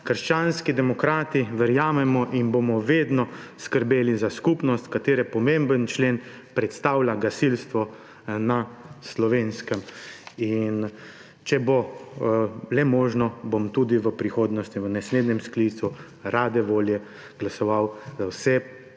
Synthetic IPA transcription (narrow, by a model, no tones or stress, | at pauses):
kəɾʃt͡ʃaːnskid̪ɛmɔkɾaːt̪iʋɛɾjaːmɛmɔʔinbomɔʋeːd̪nɔskəɾbeːlizaskupnɔst̪kat̪eːɾɛpɔmẽmbənt͡ʃleːn | pɾɛt̪st̪aːwlaɡasilst̪ʋɔ | naslɔʋenskəmin | t͡ʃɛbo | lɛmɔːʒnɔbomt̪uːd̪iʋəpɾixoːd̪nɔst̪iʋənɛsleːd̪nɛmskliːt̪su | ɾaːd̪ɛʋoːljɛ | ɡ̥lasɔʋawzawsɛ